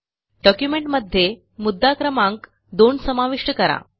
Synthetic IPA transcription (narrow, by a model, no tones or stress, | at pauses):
ɖɔkjumeɳʈməd̪ʱːje | mud̪ːakɾəmaŋk | d̪onsəmaʋiʂʈəkəɾa̰